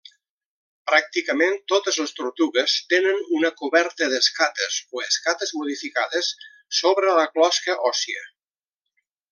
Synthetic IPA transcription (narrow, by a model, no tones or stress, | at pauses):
pɾak̚t̪ikəment̪ot̪əzləst̪uɾt̪uɣəst̪enənunəkuβɛɾt̪əðəskat̪əzoeskat̪əzmuð̞ifikaðəsː | oβɾələklɔskəʔɔsiə̰